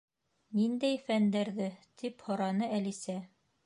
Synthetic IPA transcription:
nind̪æjfænd̪æɾðɘt̪ʰiphɤ̆ɾɑnɤælisæ

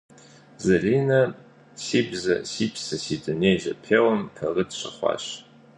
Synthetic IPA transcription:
zɐriːnɐ | siːbzɐ̰siːpʰsɐsiːdɨneːʑɐpʰeːwɐmpʰɐʁɨdɕɐχʷɑ̰ːɕ

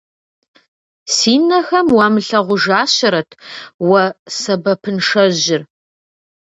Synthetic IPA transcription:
siːnɐxɐmwamɨɬɐʁʷʊʒaːɕɐɾɐtʰwɐsɐbɐpʰɨnʂɐʑɪr

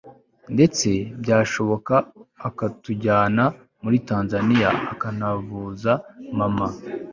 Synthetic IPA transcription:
nde̞t͡se̞bɟaːʃo̞βo̞kaːkatuɟaːna | muɾitaːnzanija̰ːkanavuːzamama

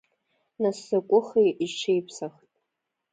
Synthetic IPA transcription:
nasːakʷʼʊχejʔiʈ͡ʂʰejpʰsaχtʼ

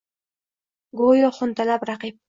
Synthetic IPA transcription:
ɡojoχʊnt̪alapɾaqip̚

